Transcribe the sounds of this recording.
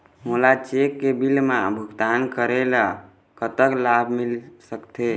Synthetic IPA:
mulat͡ʃekːebilmabʱuɡt̪ankəɾela | kət̪əklabʱmilsəkt̪e

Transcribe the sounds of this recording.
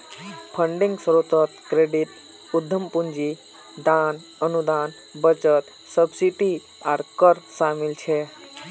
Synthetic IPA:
pʰəɳɖiŋɡsəɾot̪ət̪kɾeɖit̪ | ud̪ʱːəmpund͡ʒi | d̪an | ənud̪aːn | bət͡ʃət̪ | səbsiʈi | aɾkəɾsamilt͡ʃʰɛ

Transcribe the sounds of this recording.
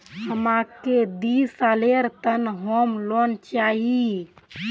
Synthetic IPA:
həmaked̪isaleɾt̪ənɦomlont͡ʃaɦi

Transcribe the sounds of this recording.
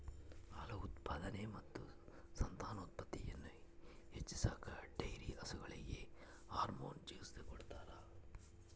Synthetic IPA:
ɐlɐut̪paːd̪ɐnemɐt̪ːusɐnt̪aːnoːt̪̚pɐt̪ːijɐnːu | het͡ʃːisaːkɐɖɐjɾiɐsuɡɐɭiɡe̞̰ | aːɾmo̰ːnd͡ʒiːsd̪ekɔɽt̪aːɾɐ

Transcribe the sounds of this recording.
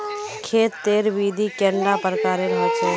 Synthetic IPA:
kʰeːt̪ːeːɾʋiːd̪ʱikɛːɳɖapəɾkaːɾeɾəɦat͡ʃʰeː

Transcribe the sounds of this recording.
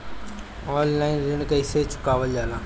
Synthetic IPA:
ɔːllaːɪnɾɪnkɐɪseːt͡ʃʊ̥kaːʋəld͡ʑaːlãː

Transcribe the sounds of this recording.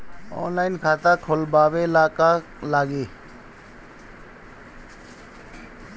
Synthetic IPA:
o̰nlainkʰat̪akʰolbabelaka | laɡe

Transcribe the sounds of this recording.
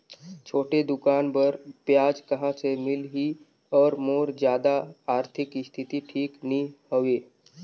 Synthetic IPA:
t͡ʃʰoːʈed̪ʊkaːnbəɾpjaːd͡ʒkəɦãsemɪlɦi | ɔːɾmoːɾd͡ʒjaːd̪aːɾt̪ʰɪkist̪ʰit̪iʈʰiːknihəʋeː

